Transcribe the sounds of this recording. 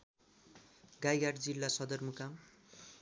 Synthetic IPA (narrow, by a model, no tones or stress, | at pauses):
ɡajɡaɖd͡zilːasʌd̪ʌrmukam